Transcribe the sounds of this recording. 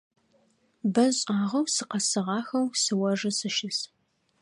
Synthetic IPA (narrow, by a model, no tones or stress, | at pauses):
bɐɕʼaːʁɐwsɨqɐsɨʁɑːxɐwsɨwɐʐɐsɨʃɪs